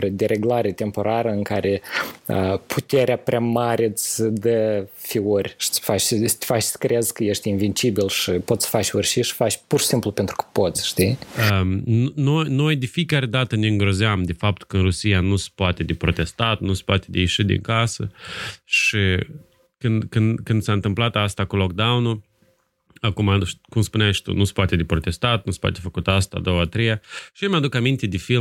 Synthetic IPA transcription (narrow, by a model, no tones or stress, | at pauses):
ɾəd̪eɾe̞ɡlaɾe̞t̪e̞mpo̞ɾaɾəɨŋkaɾʔe̞ə̰pʰut̪e̞ɾeapɾeamaɾʲesʲəd̪əfiurʲʃi̥fat͡ʃsst̪ʲfat͡ʃsə̥kɾeezkəje̞ʃt̪ʲinvint͡ʃibilʃipot̪sə̥fat͡ʃʲorʲʃiʃi̥fat͡ʃʲpurʃi̥simplupe̞nt̪ɾu̥kə̥po̞t̪sʲʃt̪iənnojno̞jd̪efiekaɾe̞d̪at̪əneɨŋɡɾo̞zeamd̪efap̚t̪u̥kəɨnɾusijanuse̥poat̪e̞d̪epɾo̞t̪e̞st̪at̪nuse̥poat̪e̞d̪ejeʃid̪ḭŋkasə̰ʃi | kɨnd̪kɨnd̪kɨnd̪saɨnt̪ɨmplat̪ast̪akulok̚d̪awnu | akumai̥kumspunaʃt̪ṵnuse̥poat̪e̞d̪epɾo̞t̪e̞st̪at̪̚nuse̥pwa̰t̪e̞fəkut̪ast̪a̰d̪o̞wat̪ɾejaʃiemʲad̪ukamint̪e̞d̪efi